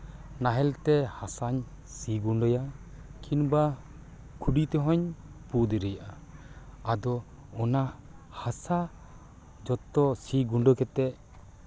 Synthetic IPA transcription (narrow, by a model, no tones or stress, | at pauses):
naɦɛlt̪ɛhasaɲ | siɡuɳɖɔja | kʰinba | kʰuɖit̪ɛɦɔɲpud̪iɾɛjaʔaː | d̪ɔ | ɔnahasa | d͡ʒɔt̪ːɔsiɡuɳɖɔkɛt̪ɛ